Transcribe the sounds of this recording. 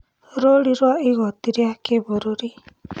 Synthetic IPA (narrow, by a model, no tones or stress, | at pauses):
ɾoɽiɾɔiɡɔt̪iɾiakebɔɾoɾi